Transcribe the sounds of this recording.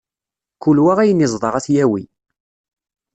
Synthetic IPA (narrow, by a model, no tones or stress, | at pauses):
kulwæʁæjənɪzˤðˤɑʁæθjæwḭ